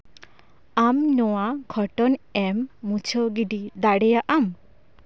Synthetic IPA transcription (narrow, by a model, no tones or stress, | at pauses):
amnɔwaɡʰʱɔʈɔnɛmːut͡ʃʰɔɡiɖid̪aɽɛjaʔam